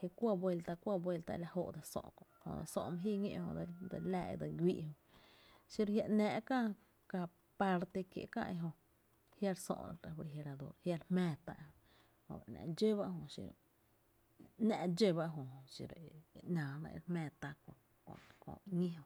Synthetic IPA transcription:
hja˧kʷa˦bwe˧lt̪a˧kʷa˦bwe˧lt̪a̰˧la˧ho˧˨ʔd̪a˧sõ̰˧ʔkõ˨hõ̰˧d̪a̰˧˨sõ̰˧ʔmã˧ɦiː˦˧ɲḛ̃˧ʔhõ̰˧d̪a˧d̪a˧laː˧˨ḛ˧d̪a˧ɡʷiː˧ʔhõ˧ | ʃi˧˦ɾhja˧ʔnɛ̃ː˨ʔkã˦˧ | ka˧ | pa˧ɾt̪e˧kjḛ˨ʔkã̰˦ʔe˧ɦõ˧ | hja˦˧ɾsõ̰˧ʔã˧ɾe˨fɾe˨ɦe˧ɾa˨d̪o̰˧˨ɾhja˦˧ɾhmɛ̃ː˧˨t̪a̰˧ʔhõ˧ | hõ̰˧˨ba̰˨ʔnã̰˧˨d͡ʒe˦ba˦ʔɦõ˧ʃḭ˧ | nã˧ʔd͡ʒe˦ba˧ʔɦõ˨˧ʃḭ˧˨ɾʔnãː˨nã̰˧ɾhmɛ̃ː˧˨t̪a˧kõ˧ | kõ̰˧kõ̰˧ɲĩ˦ɦõ˧

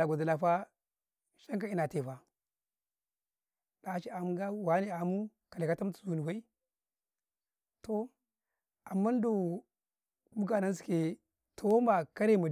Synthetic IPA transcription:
a˨ɡʷa˨da˨la˨fa˦ | ʃa˦ŋka˦i˦na˨te˨fa˨ | da˨˦t͡ʃi˦a˨mu˦ɡa˦wa˨˦ni˦a˨mu˦ | ka˨le˨ka˦ta˦m˦t͡su̥˨zu˨ni˨wa˦i˦ | to˦˨ | a˨mːa˦n˦do˨ | bu˦ɡa˨na˦n˦s̬i̥˨ke˨ | tʰo˨wo˦ma˨ka˦ɾe˦˨ma˨

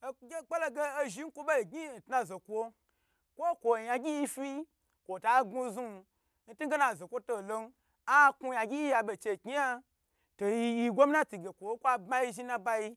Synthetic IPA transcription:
ɡʲe˦k͡pe˦lo˧ɡeː˦ʒi˨˦ŋ̩˦kʷo˦bo˦i˨ɡi˦˨n̩˨tna˧zo˨kʷo˧ | kʷo˦kʷo˨ja˧ɡʲi˦ji˧fi˦ | kʷo˨ta˨˦ɡu˧zu˦˧ | n̩˦tu˦ɡe˦na˨zo˨kʷo˧to˧˨lo˧n˦ | a˦ku˧ja˧ɡʲi˦ji˦ja˧be˨t͡ʃe˧˨ki˦a˧ | to˨ji˧ji˧ɡʷo˦m˦na˦ti˨ɡʲe˨kʷo˨˦kʷa˧bma˦ji˧ʒi˧nã˧ba˧i˧

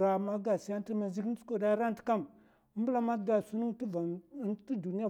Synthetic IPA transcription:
ɾa˨ma˦ɡa˨si˦a˦n˦i˦ma˨zi˦kn˦t͡su̥˦ko˦˨da˦ɾa˦n˦ti̥˨˦ka˦˨m˦ | mbu˦la˦ma˦da˨su˦ni˦ŋtva˨˦ti˦du˨ni˦a˦˨

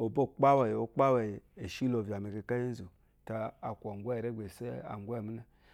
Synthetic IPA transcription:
o˨bo˦˨k͡pa˦wa˨jo˦k͡pa˦wa˨je˨ʃi˦lo˨vi˨a˨me˨ke˨ka˦ji˦zu˨ | ta˨a˨kʷa˨ŋ˨ɡʷa˦˨ɾe˦ɡ͡bʷe˨se˦a̰˨ŋ˦ɡʷa˦˨mi˦na˨

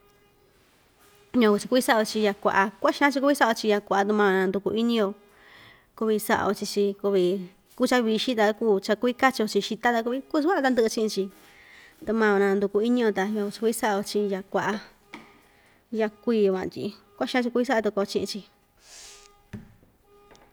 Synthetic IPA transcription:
ɲã˧ku˧t͡ʃi˧ku˧˦i˦sa˦a˧o˧t͡ʃi˧ja˧kʷa̰˨ʔa˧kʷa˦ʃã˦t͡ʃi˧ku˧βi˦sa˦ʔa˧o˧t͡ʃi˧ja˧kʷa˨ʔa˧t̪̬u˧mã˧õ˧nã˧nd̪u˧ku˧ʔi˦nĩ˧o˧ | ku˧βi˧sa̰˦ʔa̰˧o˧t͡ʃi˧t͡ʃi˧ku˧βi˧ | ku˦t͡ʃa˦βi˧ʃi˦t̪̬a˧kuː˦t͡ʃa˧ku˧i˦ka˦t͡ʃi˧o˧t͡ʃi˧ʃi˧t̪a˦t̪a˧ku˧βi˧ku˦˧skʷa˦˧t̪a˧nd̪ɨ˧t͡ʃĩ˧˦ĩ˧t͡ʃi˧ | t̪u˧mã˧õ˧nã˧nd̪u˧ku˧i˦nĩ˧o˧t̪a˧ɲã˧u˧t͡ʃi̥˧ku˧i˦sa˦ʔa˧o˧t͡ʃi˧ja˧kʷa˧ʔa˧ | ja˧kʷiː˧o˧kʷã̰˧˨˧t̪ʲi˧ | kʷa˦ʃã˦t͡ʃi˧ku˧i˧s̬a˦˧t̪u˧ko˧t͡ʃĩ˧ʔĩ˧t͡ʃi˧

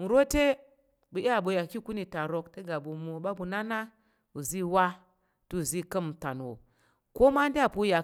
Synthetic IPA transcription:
n̩˨ɾo˦te˦ | bu˨ʔa˦˨bo˨ja˨ki˦ku˦ni˨ta˨ɾo˨kte˦ɡa˨bu˨mu˨o˨ɓa˦bu˨na˦na˦ | u˨zi˦wa˦ | tu˦u˨zi˦kə˦m˨ta˨n˨wo̰˨ | ko˦ma˦n˦di˦a˦˨pu˦ja˨

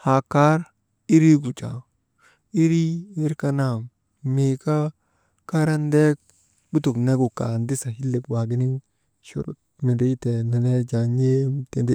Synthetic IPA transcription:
ha˨ka˦ɾ | i˦ɾi˦ɡu˨t͡ʃa̰˨ | i˦ɾi˦i˦ɾka˦na˦˨m | me˨ka˦ | ka˦ɾa˦nde˦k̚ | bu˦tu˨kne˦ɡu˨kːa̰˨ndi˦sa˨hi˦lːi˨kwa˨ɡi˦ni˦ŋ | ʃṵ˨ɾṵ˨t̚ | mi˨bi˦te˨ne˨ne˦d͡ʒa˨ɲe˦mte˨ndi˦

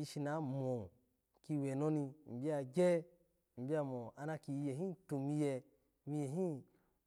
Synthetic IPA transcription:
i˧ʃi˧na˨˦mo˨ | ki˧wɛ˨no˦ni˧m̩˨bi˦a˧ɡʲɛ˦ | m̩˨bi˦a˧mo˨a˧na˧ki˧jɛ˨ɦĩ˦tu˨mi˧jɛ˧ | mi˧jɛ˨ɦĩ˦

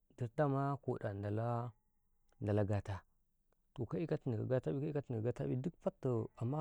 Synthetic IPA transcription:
di˨ɾda˦ma˦ko˨da˨nda˨la˦ | nda˨la˦ɡa˨ta˦ | to˨ka˦i˦ka˦ti˨ni˨ka̰˨ɡa˦ta˦bi˦ka˦i˦ka˦ti˨ni˨a˨ɡa˦ta˦bi˦du˦kfa˦tːə˨a˨mːa˦

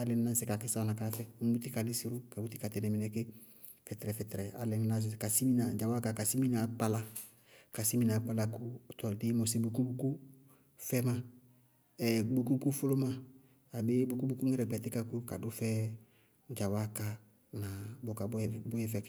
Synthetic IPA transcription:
a˦lɛ˦n˦na˦sɪ˨ka˨kɪ˦sa˦na˨ka˨na˨˦fɛ˦ŋ˦bu˦ti˦ka˨lɪ˦si˦ɾʊ˦ka˨bu˦ti˦ka˨tɛ˨nɛ˨mɪ˨nɛ˨kɪ˦ | fɛ˨tɛ˨ɾɛ˨fɛ˨tɛ˨ɾɛ˨a̰˨lɛ˨n˦na˦s̬ɪ˨ka˨si˦mi˦na˨d͡ʒa˨wa˦ka˨ka˨si˦mi˦na˨k͡pa˦la˦ | ka˨si˦mi˦na˨˦k͡pa˦la˧ku˦˨tɔ˨dɪ˦mɔ˨sɪ˦bu˨ku˦bu˦ku˦ | fɛ˦ma˨ | ɛ˨ɡ͡bu˨ku˦ku˦fʊ˦lʊ˦ma˦ | a˨bɪ˦bu˦ku˦bu˦ku˦ŋɛ˦ɾɛ˨ɡ͡bɛ˨tɪ˦ka˦ku˦ka˨dʊ˦fɛ˦ | d͡ʒa˨wa˦ka˨ | na˨bʊ˨˦ka˨˦˨bʊ˦jɛ˦˨fɛ˨k

